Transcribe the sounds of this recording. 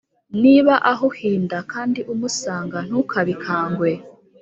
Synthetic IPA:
niβaʔaɦuhiːndakaːndiʔumusaːŋɡan̥hukʰaβikʰaːŋɡwe̞

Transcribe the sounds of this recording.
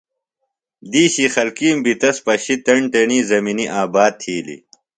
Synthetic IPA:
d̪iːɕixɐlkiːmbit̪ɐspɐɕit̪ɐɳʈɐɳiːzɐminiʔaːbaːd̪̚t̪ʰiːlḭ

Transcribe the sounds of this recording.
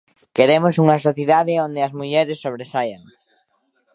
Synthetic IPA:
keɾemosuŋɐsoθjiðaðɪond̪eɐzmuʎɛɾɪsːoβɾesajaŋ

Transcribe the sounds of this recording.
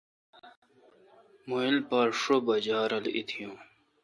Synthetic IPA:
muilpaɾʂobɐd͡ʑaːɾɐlḭt̪ʰijũː

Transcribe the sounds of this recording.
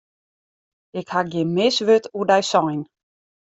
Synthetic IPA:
ɪkhaɡjɪnmɪsʋøtuədɛjsɔjn

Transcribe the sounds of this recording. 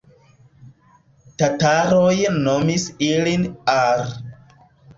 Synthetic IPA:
tataɾojnomisilinaɾ

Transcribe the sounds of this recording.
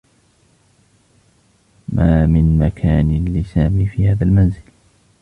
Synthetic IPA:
maːmɪnmakʰaːnɪlɪsaːmiːfiːhaːðalmanzɪl

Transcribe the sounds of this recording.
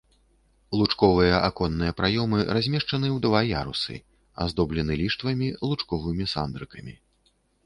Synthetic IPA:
lˠut͡ʂkɔvɨjɐʔakɔnːɨjɐpɾajɔmɨrazʲmʲɛʂt͡ʂɐnɨwd̪vaja̰ɾṵsɨ̰ | a̰zd̪ɔblʲɛnɨlʲiʂt̪vɐmʲilˠut͡ʂkɔvɨmʲisa̰nd̪ɾɨkɐmʲḭ

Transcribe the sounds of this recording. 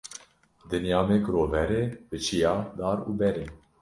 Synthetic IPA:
d̪ɨnjɑːmekɾoːvɛɾeːb̥ɨt͡ʃʰijɑːd̪ɑːɾuːbɛɾeː

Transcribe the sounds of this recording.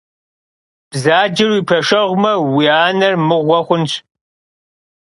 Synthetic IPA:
b̥zaːd͡ʒɪrwiːpʰɐʂɐʁʷmɐwiaːnɐrmɨʁʷɔχʷʊnt͡ʃʰʼ

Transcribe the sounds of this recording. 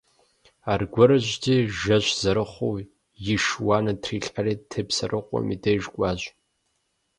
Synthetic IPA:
aːrɡʷɔɾɨʑʷtʰiːʒɐʑʷz̥ɐɾɨχʷow | jɪʃwaːnɐtʰriːɬʼaɾeːtʰɨpsɐrɨqʷʼɔ̰mḭdejʒkʷʼɑːʑ

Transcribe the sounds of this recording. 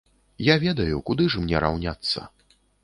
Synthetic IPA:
javʲɛd̪ɐjukud̪ɨʐmnʲɛɾa̰wnʲat̪sːɐ̰

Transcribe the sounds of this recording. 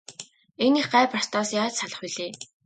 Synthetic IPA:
eneχɢaːprar̥t̪ɔːsjaːt͡ɕsaɮə̆χiɮeː

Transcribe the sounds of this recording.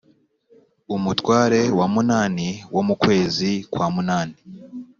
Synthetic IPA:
umutwaːɾe̞wamunaːniwo̞mukwe̞ːzikwaːmunaːni

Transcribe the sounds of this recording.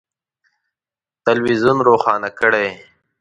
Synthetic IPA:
t̪əlwizunɾoːxɑːnakəɽe

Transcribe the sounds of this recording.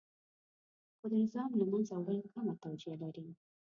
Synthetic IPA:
xod̪ənɪzɑmlamanzawalkamat̪awzijalaɾi

